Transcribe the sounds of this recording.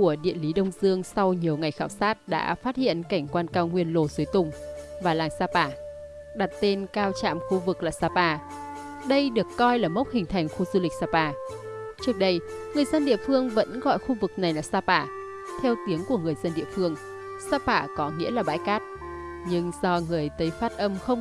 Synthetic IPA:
ku˧˩əɗḭ˧˨ənli˨˦ɗə˧wŋ͡mzɨ˧əŋsa˧wɲi˨˩əwŋa˨˩jxaː˧˩wsaː˦˥t̚ɗa̰ː˧˥faː˦˥t̚hḭ˧˨ənka˧˩jŋ̟kwaː˧nkaː˧wŋwi˧ənlo˨˩zu˨˦jt̪ʊ˨˩ŋ͡mvaː˨˩laː˨˩ŋsaː˧paː˧˩ | ɗa˨˩t̚t̪e˧nkaː˧wt͡ɕa̰ː˧˨mxu˧vɨ˨˩k̚laː˨˩saː˧paː˧˩ | ɗə˧jɗɨ˨˩əkːɔ˧jlaː˨˩mə˦˥k͡p̚hï˨˩ŋ̟t̪ʰa˨˩jŋ̟xu˧zu˧lï˨˩k̟̚saː˧paː˧˩ | t͡ɕɨ˦˥ək̚ɗə˧jŋɨ˨˩əjzə˧nɗḭ˧˨əfɨ˧əŋvə̰˧˥nɣɔ̰˧˨jxu˧vɨ˨˩k̚na˨˩jlaː˨˩saː˧paː˧˩ | t̪ʰɛ˧wt̪i˨˦əŋku˧˩əŋɨ˨˩əjzə˧nɗḭ˧əfɨ˧əŋ | saː˧paː˧˩kɔ˨˦ŋḭ˧˥laː˨˩ɓa̰ː˧˥jkaː˦˥t̚ | ɲɨ˧ŋzɔ˧ŋɨ˨˩əjt̪ə˨˦jfaː˦˥t̚ʔə˧mxə˧wŋ͡m

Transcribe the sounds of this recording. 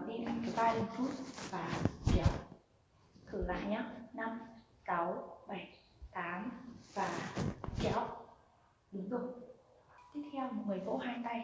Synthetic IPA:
ɗḭ˧˨nʔa˧ŋt͡ɕi˨˧˩ɓaː˧lɨ˨˩t͡ɕu˦˥ət̚vaː˨˩t͡ɕɛ˧˩w | t̪ʰɨ̰˧˩la̰ː˧˨jɲaː˦na˧m | ka˨˦wɓə˧˩j | t̪aː˨˦mvaː˨˩t͡ɕɛ̰˧˥˨w | ɗɨ˨˦ŋzɨ˨˩ŋ͡m | t̪i˦˥ət̚t̪ʰɛ˧wmo˨˩t̚ŋɨ˨˩əjko̰˧˥haː˧jt̪a˧j

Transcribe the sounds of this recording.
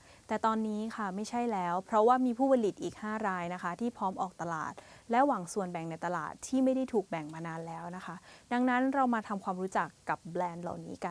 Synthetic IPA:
t̪ɛː˨˩t̪ɔː˧nːiː˦˥kʰa˥˩ma˥˩jt͡ɕʰa˥˩jlɛː˦˥wpʰɾɔ˦˥waː˥˩miː˧pʰuː˥˩pa˧li˨˩t̪̚ʔiː˨˩k̚haː˥˩ɾaː˧jna˦˥kʰa˦˥t̪ʰiː˥˩pʰɔː˦˥mʔɔː˨˩k̚t̪a˧la̰ː˨˩t̪̚lɛ˦˥waː˨˩˦ŋsu˨˩ənbɛ˨˩ŋna˧jt̪a˧la̰ː˨˩t̪ʰːiː˥˩ma˥˩jda˥˩jt̪ʰuː˨˩k̚bɛ˨˩ŋmaː˧naː˧nlɛː˦˥wna˦˥kʰa˦˥da˧ŋna˦˥nɾa˧wmaː˧t̪ʰa˧mkʰwaː˧mɾuː˦˥t͡ɕa˨˩kːa˨˩p̚blɛː˧nla̰˨˩wnḭː˦˥ka˧n

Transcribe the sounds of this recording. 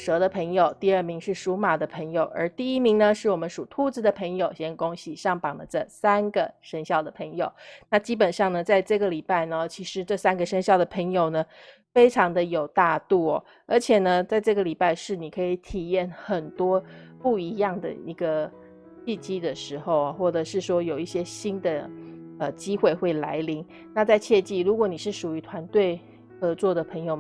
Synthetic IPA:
ʂɤ˧˥d̪ə˧pʰə˧˥ŋjo˨˩ʊt̪i˥˧ə˞˥˩mi˧˥ŋʂɻ̩˥˩ʂu˧˥ma˨˩d̪ə˦pʰə˧˥ŋjo˨˩ʊʔə̰˞˧˥t̪i˥˩i˥mi˧˥ŋnə˧ʂɻ̩˥˩wɔ˨˩mə˦nʂu˨˩t̪ʰu˥˧t͡sɹ̩˧˩d̪ə˨pʰə˧˥ŋjo˨˩ʊɕjɛ˧˥nkʊ˥ŋɕi˨˩ʂɑ˥˩ŋpɑ˨˩ŋd̪ə̰˦ʈ͡ʂɤ˥˩sa˥nɡə˨ʂə˥nɕjɑ˥˩ʊd̪ə˩pʰə˧˥ŋjo˨˩ʊna˥˧t͡ɕi˥pə˨˩nʂɑ˥˩ŋnə˩t͡sa˥˧ɪʈ͡ʂɤ˥˩ɡə˩li˨˩pa˥˩ɪnə˩t͡ɕʰi˧˥ʂɻ̩˧˥ʈ͡ʂɤ˥˧sa˥nɡə˨ʂə˥nɕjɑ˥˩ʊd̪ə˩pʰə˧˥ŋjo˨˩ʊnə˩ | fe˥ɪʈ͡ʂʰɑ˧˥ŋd̪ə˧jo˨˩ʊt̪a˥˧t̪u˥˩ɔ̰˩ | ə˞˧˥t͡ɕʰjɛ˨˩nə˩t͡sa˥˧ɪʈ͡ʂɤ˥˩ɡə˩li˨˩pa˥˧ɪʂɻ̩˥˩ni˨˩kʰɤ˧˥i˨˧˩t̪ʰi˨˩jɛ˥˩nxə˨˩nt̪wɔ˥pu˥˩i˧˥jɑ˥˩ŋd̪ə̰˨i˧˥ɡə˧ | t͡ɕi˥˩t͡ɕi˥d̪ə˨ʂɻ̩˧˥xo˥˧ʊɐ˨˩xwɔ˥˩ʈ͡ʂɤ˨˩ʂɻ̩˥˩ʂwɔ˥jo˨˩ʊi˥˩ɕjɛ˥ɕi˥nd̪ə˨ə˨˩t͡ɕi˥xwe˥˧ɪxwe˥˩ɪla̰˧˥ɪli˧˥ŋ | na˥˧t͡sa˥˧ɪt͡ɕʰjɛ˥˧t͡ɕi˥˩ɻu˧˥kwɔ˧˥˦ni˨˩ʂɻ̩˥˩ʂu˨˩y˧˥t̪ʰwa˧˥nt̪we˥˩ɪ | xɤ˧˥t͡swɔ˥˩d̪ə˩pʰə˧˥ŋjo˨˩ʊ

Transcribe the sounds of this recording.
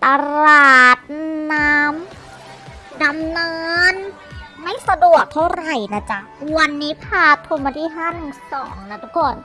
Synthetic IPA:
t̪a˧ɾlaː˨˩t̪̚naː˦˥m | da˧mnɤː˧˦˧n | ma˥˩jsa˧du˨˩ək̚t̪ʰa˥˩wɾa˨˩jnaː˦˥˩t͡ɕa˧˩wa˧nːiː˦˥pʰaː˧t̪ʰo˧maː˧t̪ʰiː˦˥˩ɦaː˥˩nɯ˨˧˩sɔ̰ː˩˦ŋna˧˥˩t̪ʰa˧˦kɔː˧˩n

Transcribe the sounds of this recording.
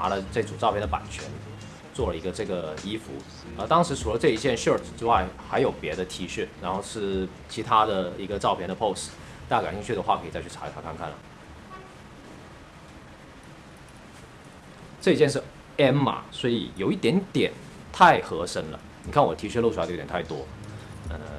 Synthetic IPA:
na̰˧˥lə˧ʈ͡ʂɤ˥˩t͡su˨˩ʈ͡ʂɑ˥˧ʊpʰjnd̪ə˧pa̰˨˩nt͡ɕʰɥɛ̰˧˥n | t͡swɔ˥˩lə˩i˧˥ɡə˧ʈ͡ʂɤ˥˩ɡə˩i˥fṵ˧˥ | ə˧˩t̪ɑ˥ŋʂɻ̩˧˥ʂu˨˩lə˧˦ʈ͡ʂɤ˥˧i˧˥t͡ɕjɛ˥˧nʂə˥˩ʈ͡ʂ̩˨˩ʈ͡ʂɻ̩˥wa˥˩ɪxa˧˥ɪjo˨˩ʊpjɛ˧˥d̪ə˧t̪ʰi˧˥ɕy˥˩ɻa˧˥nxo˥˧ʊʂɻ̩˥˩ | t͡ɕʰi˧˥t̪ʰa˥d̪ə˨i˧˥ɡə˧ʈ͡ʂɑ˥˧ʊpʰjɛ˥˩nd̪ə˩pʰo˥˧ʊs | t̪a˥˩˧ka˨˩nɕi˥˧ŋt͡ɕʰy˥˩d̪ə˩xwa˥˩kʰɤ˧˥˨t͡sa˥˧t͡ɕʰy˥˩ʈ͡ʂʰa˧˥i˧t̪ʰa˥kʰa˥˧nŋkʰa̰˥˩nlə̰˩ | ʈ͡ʂɤ˥˩i˧˥t͡ɕjɛ˥˧nʂ̬ɻ̩˥˩ | ɛ˥nmɐ̰˨˩swɔ˧˥ḭ˨˩jo˨˩ʊi˥˩t̪jɛ˧˥nt̪jɛ˨˩˦n | t̪ʰa˥˩ɪxɤ˧˥ʂə˥ŋlə̰˨ni˨˩kʰa˥˩nwɔ˨˩t̪ʰi˧˥ɕy˥˧lu˥˩u˧˥˧t̪ʰɪt̪wɔ̰˥ə̰˧

